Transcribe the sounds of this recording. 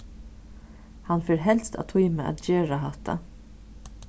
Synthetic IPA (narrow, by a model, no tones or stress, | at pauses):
hanfeːɾɦɛlst̪ʰa̰t̪ʰujməʔa̰t̪d͡ʒeːɹaɦat̪ʰa̰